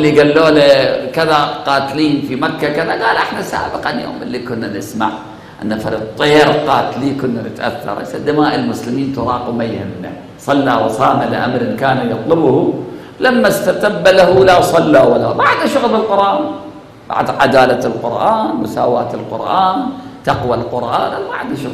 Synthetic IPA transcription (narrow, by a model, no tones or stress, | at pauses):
ʔlːiɡalːoːlakɪðaqɑːt̪liːnfimakːakɪðaɡaːlʔɪħnasa̰ːbɪqɑnjo̰ːmʔɪ̰lːikʊnːanɪsmaʕ | ʔɪ̰nːafɑɾḭːq̪̚t̪ˤːeːɾqɑːt̪liːkʊnːanɪt̪ʔa̰θːɑ̰ɾˤsad̪ːɪmaːʔɪlmʊslɪmiːnt̪ʊɾˤɑːqɪmajhɪ̰mna̰ | sˤɑlːawɑsˤɑːmalɪ̰ʔa̰mɾɪnkaːnajɑt̪ˤlʊbhu | lamːast̪at̪abːalahulasˤɑlːawalːabaʕd̪aʃʊɣlɪlqʊɾʔaːn | b̥a̰ʕd̪ʕa̰d̪aːlalqʊɾʔaːnmʊsaːwaːt̪ɪlqʊ̰ɾʔaːnt̪aqwalqʊɾʔa̰ːnʔamaʕad̪aʃʊɣ